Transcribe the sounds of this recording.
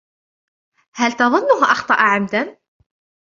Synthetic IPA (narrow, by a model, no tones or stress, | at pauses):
hælt̪ɑðˤʊnːʊɦʔɑxt̪ˤɑʔʕamd̪an